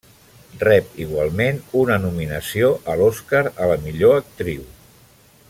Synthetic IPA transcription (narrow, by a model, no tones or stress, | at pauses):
rɛpiɣwalˠmenunənuminəsioʔəloskaɾələmiʎoək̚t̪ɾiw